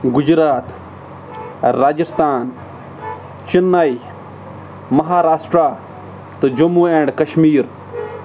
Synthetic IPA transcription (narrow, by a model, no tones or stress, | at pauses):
ɡʊd͡ʒɾaːt̪ | ɾaːd͡ʒist̪aːn | t͡ʃinːaj | mɐɦaːɾaːsʈɾaː | t̪od͡ʒɐmːuːeːɳɖkɐʃmiːɾ